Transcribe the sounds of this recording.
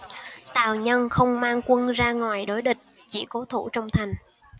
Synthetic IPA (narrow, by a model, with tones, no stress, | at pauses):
t̪aː˨˩wɲə˧nxə˧wŋ͡mmaː˧ŋkwə˧nzaː˧ŋwaː˨˩jɗo˨˦jɗï˨˩k̟̚ | t͡ɕḭ˧˩kɔ˨˦t̪ʰṵ˧˩t͡ɕɔ˧wŋ͡mt̪ʰa˨˩jŋ̟